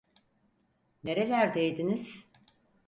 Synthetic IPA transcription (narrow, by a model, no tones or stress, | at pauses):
ne̞ɾe̞lʲæɾd̪ejd̪iniz̥